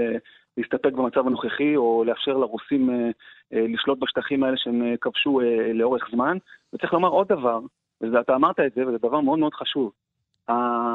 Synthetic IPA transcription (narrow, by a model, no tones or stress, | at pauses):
e | leist̪ape̞k̚bemat͡savano̞χeχio̞leafʃe̞ʁlaʁusimeliʃlo̞t̪̚baʃt̪aχimae̞leʃeemekavʃueleo̞ʁe̞χzmanvet͡saʁiχlo̞maʁo̞d̪ːavaʁ | vezeat̪aːmaʁt̪aetze̞vezed̪avaʁmeo̞d̪med̥̪χaʃuv | a